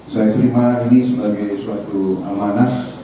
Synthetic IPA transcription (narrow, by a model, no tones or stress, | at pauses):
sajat̪əɾimainisəbaɡajsuwat̪uamanas